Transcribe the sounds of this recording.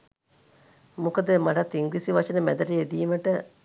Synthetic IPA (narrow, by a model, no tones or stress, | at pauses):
mukəd̪əmaʈat̪ːiŋɡlisiʋaʂənəmæd̪ɐʈəjed̪iːməʈə